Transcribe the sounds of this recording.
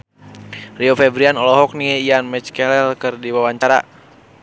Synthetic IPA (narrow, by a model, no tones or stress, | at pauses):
riofɛbɾianɔlɔɦɔk̚niianmɛt͡ʃkɛlɛlkərdiwawaɲt͡ʃaɾa̰